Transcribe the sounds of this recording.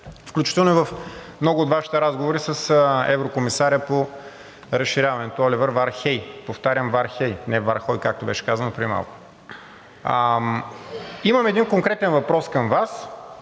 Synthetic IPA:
fklʲut͡ʃit̪ɛlˠnoɛvəfmnɔɡʊoːt̪vaʃi̥t̪ɛɾazɡovoɾisəsɛ̰vɾokomisaɾʲəpo | ɾəsʃiɾʲavɐnɛt̪oɔlʲivəɾvaɾxɛjpoft̪aɾjəmvaɾxɛjnɛvaɾxɔjkak̚t̪obɛʃɛ̥kazənopɾiima̰lˠkʊ̥ | imɐmɛd̪inkoŋkɾɛt̪ɛnvɐpɾɔskəmvas

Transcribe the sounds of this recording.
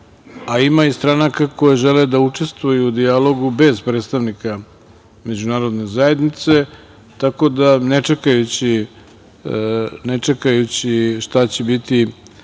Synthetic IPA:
aimaist̪ɾanakako̞jeʒeled̪aut͡ʂe̞st̪ʋujuːd̪ialo̞ɡube̞zpɾet̪st̪aʋnika | me̞d͡ʑunaːɾo̞d̪ne̞zaje̞d̪nit̪se̞ | t̪ako̞d̪ane̞t͡ʂekajut͡ɕi | net͡ʂekajut͡ɕiʃt̪at͡ɕebit̪i

